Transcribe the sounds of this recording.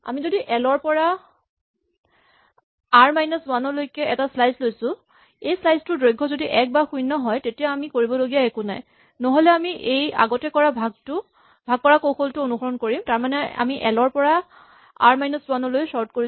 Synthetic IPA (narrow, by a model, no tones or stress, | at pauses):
a̰mizodiʔɛlɔɹpɔɹa | aɹmajnɔswanɔlojkɛɛtaslajslojsʊ̃ | ejslajstʊdɹojɡʱɔzodiʔɛk̚baxujnɔɦɔjtetijaamikoɹibɔloɡijaekunaj | nɔɦolɛamiʔeja̰ɡɔtɛkɔɹabʱaɡ̚tʊ | bʱaɡ̚kɔɹakoxʰoltʊonuxɔɹɔnkoɹimtaɹmanɛa̰miʔɛ̰lɔɹpɔɹa | a̰ɹmajnɔswanɔlojsɔɹtkoɹi